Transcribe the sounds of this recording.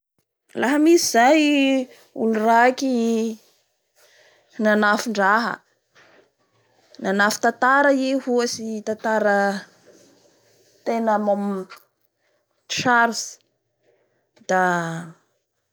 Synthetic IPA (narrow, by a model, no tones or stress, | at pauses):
laɦəmisizaj | ṵlurakʲi | nanafiɳɖ͡ʐaɦə̰ | nanafi̥t̪at̪aɾəihuasit̪at̪aɾə | t̪enəmom | ʃaɾsi̥ | d̪̥a